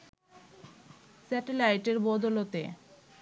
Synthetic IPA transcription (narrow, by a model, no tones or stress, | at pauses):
sɛʈelajʈeɾbɔd̪olot̪e